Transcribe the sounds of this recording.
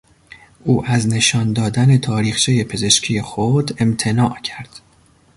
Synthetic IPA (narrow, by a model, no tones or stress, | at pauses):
ʔuːʔæzne̞ʃɒːnd̪ɒːd̪æne̞t̪ʰɒːɾiːxt͡ʃʰeje̞pʰe̞ze̞ʃcʰije̞xod̪e̞mt̪ʰe̞nɒːʔcʰæɾd̪̥